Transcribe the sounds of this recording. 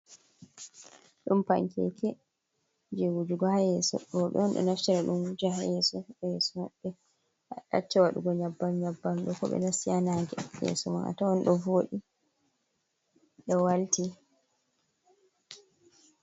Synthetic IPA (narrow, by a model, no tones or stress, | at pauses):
ɗumpa̰ŋkɛ̰kʰɛ | d͡ʒewud͡ʒuɡɔhajɛsɔ̰ɔɓɛ̰ɔnɗɔ̰naftɛɾaɗumwud͡ʒahajɛsɔjɛsɔmɔɓːɛ | aɗa̰t͡ʃːawaɗuɡɔɲabːamɲabːanɗɔkɔɓɛ̰nasijanaŋɡɛjɛ̰sɔmana̰tawɔnɗɔvoːɗi | ɗɔwalti